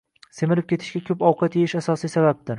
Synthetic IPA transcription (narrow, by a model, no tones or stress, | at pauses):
semɪlɪp̚kʲʰe̞t̪ʰɪʃɡʲakʲʰɵpɒwqʰɑt̪jeɪʃasɒsijsabap̚d̪ɪɾ